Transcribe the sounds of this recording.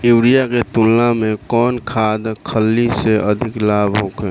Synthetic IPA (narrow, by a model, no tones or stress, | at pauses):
ewɾijaket̪unlamẽkɔːnkʰad̪kʰəlːiseəd̪ʱiklabɦoke